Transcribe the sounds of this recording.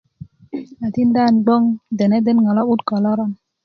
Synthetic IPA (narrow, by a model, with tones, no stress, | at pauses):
a˨ti˦n˦daː˦˨nɡ͡bo˦ŋde˨nɛ˦de˦nŋɔ˨lɔ˦u˦tkɔ˨lɔ˦ɾɔ˦m